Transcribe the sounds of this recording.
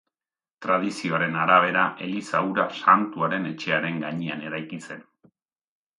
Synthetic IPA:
t̪ɾað̞isio̞aɾe̞naɾaβ̞e̞ɾaʔe̞lisauɾasant̪uaɾe̞ne̞t͡ʃe̞aɾe̞ŋɡaɲeane̞ɾajkit͡se̞n

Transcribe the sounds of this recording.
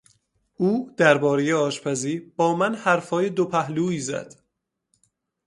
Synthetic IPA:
uːd̪̥æɾbɒːɾeje̞ɒːʃpʰæziːɾbɒːmænhæɾfɒːje̞d̪opʰæɦluːiːzæ̰d̪̥

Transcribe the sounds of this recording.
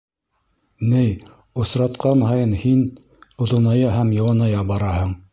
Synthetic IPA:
nɘj | ŏsɾɑt̪qɑnhɑjɤnhin | ŏðŏnɑjɑɦæmjɑ̆wɑnɑjɑbɑɾɑhɤɴ

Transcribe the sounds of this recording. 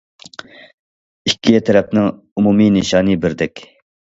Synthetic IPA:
ikʲʰːijɛt̪ʰɛɾɛp̚nɪŋ | umumineʃɑːnɨbɪɾd̪ɛkʲ

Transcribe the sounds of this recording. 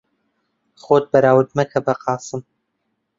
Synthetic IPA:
χoːt̪̚bɐɾaːwɨd̪mɐkʰɐbɐqɑːsɨm

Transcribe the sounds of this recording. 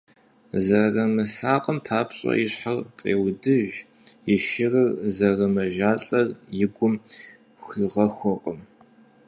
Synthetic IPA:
zɐrɐmɨsaːqʼəmpʰaːpɕʼɐ̰jɪɕħarfʼḛːwdɨʒjɪʃɪrɐrzɐrɐmɐʒaːɬʼɐrjɪɡʷʊm | xʷiːʁɐxʷɔqʼəm

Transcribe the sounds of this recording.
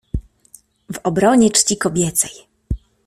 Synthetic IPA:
vɔbɾɔɲɛt͡ʂt͡ɕikɔbʲjɛt̪sɛj

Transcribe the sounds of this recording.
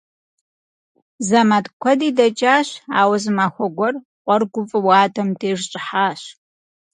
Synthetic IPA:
zamatkʷʰɔdiːdɐt͡ʃʼaːɕa̰ːwɐzɨmaxʷɔɡʷɔr | qʷʼɔrɡʷʊpʼɨwaːdʰɐmdʰeːʐɕʼɪħaːɕ

